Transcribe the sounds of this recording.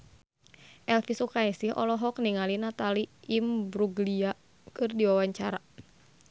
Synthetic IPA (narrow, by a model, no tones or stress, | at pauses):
ʔɛlfisukaisihʔɔ̰lɔɦɔk̚niŋalinat̪aliimbɾuɡlia | kɨrdiwawaɲt͡ʃaɾa